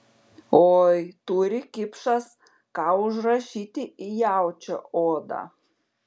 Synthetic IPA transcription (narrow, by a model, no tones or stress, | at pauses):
oːjt̪uɾʲɪkʲɪpʂɐs | kɑːʊʒrɐʃʲiːt̪ʲɪɪjawt͡ʃʰʲɛ̰oːd̪a̰